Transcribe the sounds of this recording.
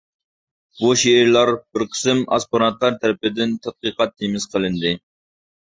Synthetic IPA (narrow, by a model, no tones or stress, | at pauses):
buʃeːɾlˠɑɾbɪɾqʰə̥sɨmɑ̰spoɾɑt̪lˠɑɾt̪ʰɛɾɪpɪd̪ɪnt̪ʰɛt̪̚qəqɑt̪̚ːemɪz̥qʰəlˠɪnd̪ɪ